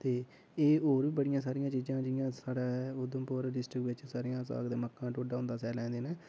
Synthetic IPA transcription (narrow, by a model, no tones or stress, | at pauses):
t̪eː | eːoːɾʋiːbəɽɪjãːs̬aːɾɪjãːt͡ʃiːd͡ʒãːd͡ʒɪjãːsaːɽaːod̪õːpoːɾɖɪsʈɾɪkʋɪt͡ʃsaːɾijãːsa̰ːɡd̪eːməkːãːʈoːɖaːʊ̃nd̪aːsɛːlɛ̃ːnd̪eːnẽː